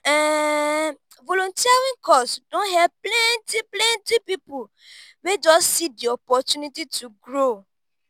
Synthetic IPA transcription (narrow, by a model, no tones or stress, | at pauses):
ɛ | volõntiaɾĩŋkɔstdõnhɛvplɛ̃ntiplɛ̃ntipipu | wed͡ʒɔsːidiɔpɔtũnitituɡɾo